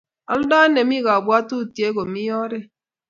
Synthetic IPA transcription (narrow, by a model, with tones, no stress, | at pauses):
ɔ˨lʊ˦da˦ne˨mi˦ɣa˨bʊ˨a˦tu˦˨ti˨e˦ɡo˨mi˦ɔ˦ɾɪ˦